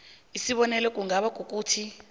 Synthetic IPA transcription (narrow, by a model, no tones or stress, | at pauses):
isiɓɔnɛlɛk̬ʼuŋɡaɓak̬ʼuk̬ʼuːtʰi